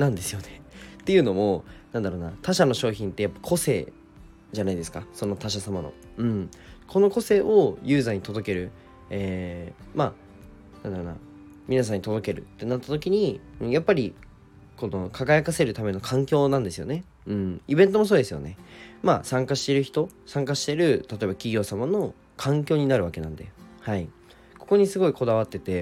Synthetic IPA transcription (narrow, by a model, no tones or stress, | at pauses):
nãnd̪e̞sɨjo̞net̪ːe̞jɯ̟ːno̞mo̞nãnd̪aɾo̞ːnat̪aɕano̞ɕo̞ːçĩnt̪ːe̞japːakʰo̞se̞̰ː | ʑanaid̪e̞sɨ̥kaso̞no̞t̪aɕ̬asamano̞̰ɯ̟̃ɴ | kʰo̞no̞ko̞se̞ːʔo̞jɨ̟ːzaːɲ̟it̪o̞d̪o̞ke̞ɾɯ̟ | eːma | nãnd̪aɾoːna̰ | mʲinas̬ãɲ̟ːit̪od̪o̞ke̞ɾɯ̟̰t̪ːe̞nat̪ːat̪o̞kʲiɲ̟iɯ̟̃ɴjapːaɾʲi | ko̞no̞kʰaɡajakase̞ɾɯ̟t̪ame̞no̞kʰãŋkʲo̞ːnãnd̪e̞sɨjo̞̰ne̞ | ɯ̟̃ɴibẽ̞nt̪o̞mo̞s̬oːd̪esɨjo̞̰ne̞ma̰ːsãŋkaɕi̥t̪e̞ɾɯ̟çi̥t̪o̞sãŋkaɕi̥t̪e̞ɾɯ̟t̪at̪o̞e̞bakʲiɡʲo̞ːsamano̞ | kʰãŋkʲo̞ːɲ̟inaɾɯ̟βake̞nã̰nd̪e̞hai | ko̞ko̞ɲ̟isɨɡo̞iko̞d̪aβ̞at̪ːe̞t̪e̞